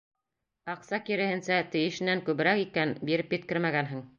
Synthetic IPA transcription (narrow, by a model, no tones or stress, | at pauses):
ɑqsɑkiɾɘ̆hɘ̆nsæt̪ɘ̆jɘ̆ʃɘ̆nːæŋkʉβɘ̆ɾækikænbiɾɘpjɘ̆t̪̚kɘɾmæɡænɦɘŋ